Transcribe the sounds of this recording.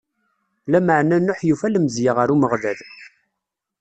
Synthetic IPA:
læməʕnænːʊħjufæləmzjəʁəɾuməʁðæð

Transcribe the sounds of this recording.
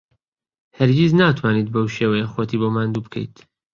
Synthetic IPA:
hɛɾɡiznaːt̪ʰwaːniːt̪̚bowʃeːwɛjexoːt̪ʰiːboːmaːnd̪uːbkʰḛjt̪ʰ

